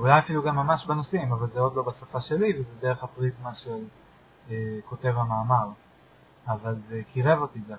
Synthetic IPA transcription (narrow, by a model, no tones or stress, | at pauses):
ulajafiluɡamːamaʃbanosimavalzeo̞d̪lobasafaʃe̞livezedeʁe̞χhapʁizmaʃel | eko̞te̞vamaːmaʁ | avalzekiʁevotiza